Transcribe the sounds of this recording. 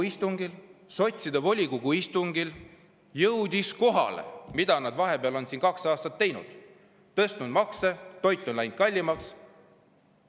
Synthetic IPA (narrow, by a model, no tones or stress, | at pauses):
ist̪uŋɡ̥ilso̞t̪ʲsid̪̥ɑvo̞lʲikuɡ̥uist̪uŋɡ̥il | jɤwd̪̥isko̞ɦɑ̰le̞̰mid̪̥ɑnɑd̪̥vɑɦe̞peɑlo̞nsiːnkɑksɑːst̪ɑt̪ːejnṵd̪̥ | t̪ɤst̪nud̪mɑkset̪o̞jt̪ːˑo̞nlæjnd̥̪̚kɑlʲːimɑks